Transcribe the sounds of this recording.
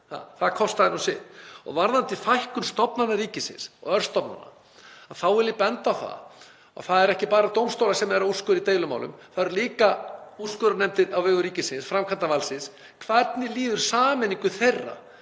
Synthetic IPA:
θa̰θaðkʰɔst̪aðɪnusɪ̰ɔ̰ɣvaɾðant̪ɪfajhkʏmst̪ɔpnanːaɾiːcɪsɪ̰nsɔ̰ɣœɾ̥st̪ɔpna̰nːa̰ | aðθawɛɾlɪpɛnt̪awθa̰ | a̰ɣθaðɛɾɛhcɪpaːɾat̪owmst̪owlasɛmɛɾauskʏɾit̪eːjlʏma̰wlʏ̰mθaðɛɾliːkauskʏɾʏnɛmt̪ɪɾawvɛːɣʏɾiːcɪsɪnsfɾamkʰant̪avalsɪns | kʰvɛt̪nɪliːðʏɾ̥saːmɛnːiŋkʏθejrːa̰

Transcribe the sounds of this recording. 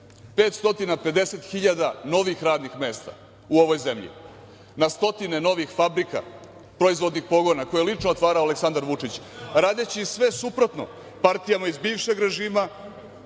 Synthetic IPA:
peːt̪st̪o̞t̪inape̞d̪e̞se̞t̪xiʎad̪ano̞ʋixɾaːd̪nixmeːst̪a̰ | uo̞ʋo̞jzemʎḭ | nast̪o̞t̪ine̞no̞ʋixfabɾika̰ | pɾoizʋo̞d̪nixpo̞ɡo̞nako̞jelit͡ʂnoot̪ʋaːɾaoaleksand̪aɾʋut͡ʂit͡ɕɾaːd̪et͡ɕisʋe̞supɾo̞t̪no̞̰ | paɾt̪ijamaizbiːʋʃeɡɾe̞ʒiːma

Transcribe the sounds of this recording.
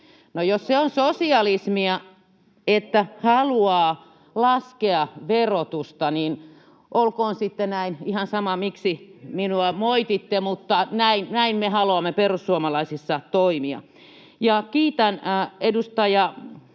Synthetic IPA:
nojosseonsosiɑlismiɑ | et̪ːæhɑluɑː | lɑskeɑʋerot̪ust̪ɑniːn | ʔolkoːnsit̪ːenæinihɑnsɑmɑmiksiminuɑmoit̪it̪ːemut̪ːɑnæinnæinmehɑluɑmːeperussuomɑlɑisisːɑt̪oimiɑ̰ | jɑkiːt̪ænedust̪ɑjɑ

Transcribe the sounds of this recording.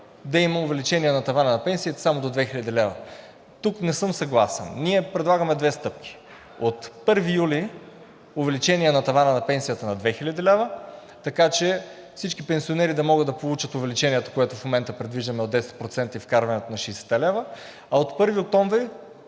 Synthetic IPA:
d̪ɐimɐʊvɛlit͡ʃɛniɛnɐt̪ɐvanənɐpɛnsiət̪ɐ̥samod̪od̪vɛxilʲɐəd̪ʲilɛvə | t̪uknɛsɤmsɐɡlˠasɛ̰nniɛpɾɛd̪lˠaɡɐmɛd̪vɛst̪ɤp̚kʰʲi̥ | ot̪pɤɾvijuli | ʊvɛlit͡ʃɛniɛnɐt̪ɐvanənɐpɛnsiət̪ənɐd̪vɛxilʲəd̪ilɛvə | t̪ɐkat͡ʃɛ | fsit͡ʃkipɛnsʲionɛɾid̪ɐmɔɡɤd̪ːɐpolˠut͡ʃət̪ʊvɛlit͡ʃɛniɛt̪ə̥koɛt̪ʊfmomɛnt̪əpɾɛd̪viʒd̪ɐmɛod̪ɛsɛ̥t̪̚pɾot̪sɛnt̪ɐifkaɾvɐnɛt̪onɐʃɛjsɛ̥t̪ɛlɛvə | ɐot̪pɤɾviok̚t̪ɔɱvɾi

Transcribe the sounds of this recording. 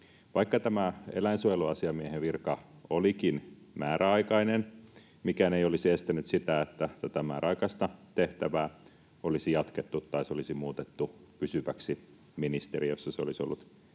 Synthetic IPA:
ʋɑikːɑt̪æmæḛlæinsuojeluɑsiɑmieheʋirkɑolikinmæːɾæɑikɑinen | mikæneiolisest̪ænyt̪sit̪æet̪ːæt̪ːæt̪æmæ̰ːɾɑikɑst̪ɑt̪eht̪æʋæː | olisijɑt̪ket̪ːut̪ːɑisolisimuːt̪et̪ːupysyʋæksi | minist̪eɾijosːɑseolisolːut̪

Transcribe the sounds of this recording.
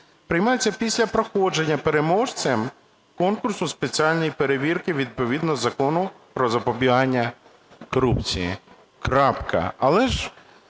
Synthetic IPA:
pɾɪjmɑjet͡sʲːɐpʲisʲlʲɐpɾɔxɔd͡ʒe̞nʲːɐpeɾe̞mɔʃt͡sʲɛm | kɔnkʊrsʊspet͡sʲialʲnɔjipe̞ɾeʋʲirkɪʋʲid̪̚pɔʋʲid̪nɔzɐkɔnʊpɾɔzɐpɔbʲiɦɑnʲːɐ | kɔɾupt͡sʲijḭ | kɾɑpkɐ̰ɐlˠɛʒ

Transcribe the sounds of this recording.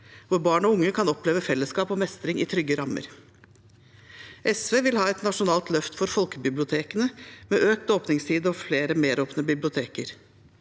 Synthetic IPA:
ʋʊɾbɑːɳɔʊŋːəkʰɑnɔpleːʋəfɛlːəskɑːpɔmɛst̪ɾɪŋɪ̰t̪ʰɾʏɡːəɾɑmə̰ɾ | ʔɛsʋeːʋɪlhɑːɛt̪nɑʂʊnɑːlt̪lœft̪fɔɾfɔlkəbɪblɪʊt̪ʰeːkənəmɛːʔøːk̚t̪oːpnɪŋst̪ʰiːd̪əɔfleːɾəmeːɾoːpnəbɪblɪʊt̪ʰeːkəɾ

